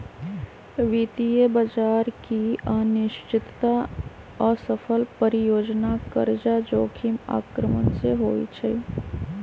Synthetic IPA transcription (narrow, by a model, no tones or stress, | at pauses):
ʋit̪ijəbəd͡ʒaːɾkianɪʃt͡ʃɪt̪t̪a | ɔsəpʰəlpəɾɪjoːd͡ʒnakəɾd͡ʒad͡ʒoːkʰima̰ːkɾəmənseɦoːḭt͡ʃʰɛ